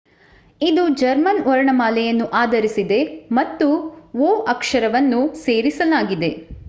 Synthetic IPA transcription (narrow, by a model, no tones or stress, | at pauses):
id̪ud͡ʒɐɾmɐnʋɔɾɐɳɐmaːlɛjɐnːuʔaːd̪ɐɾisid̪e̞mɐt̪ːuʋoːɐkʂɐɾɐʋɐnːuseːɾisɐlaːɡid̪e̞